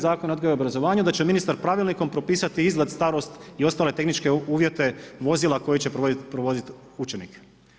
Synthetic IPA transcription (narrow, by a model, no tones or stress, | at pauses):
zaːkonod̪ɡoobɾazo̞ʋaːɲud̪at͡ɕeminist̪aɾpɾaʋilniko̞mpɾo̞piːsat̪iizɡlad̪st̪aɾo̞st̪io̞st̪aːle̞t̪e̞xnit͡ʃke̞uːʋjet̪e̞ʋo̞zilˠako̞jit͡ɕe̞ppɾoʋo̞zit̪ | ut͡ʃenḭk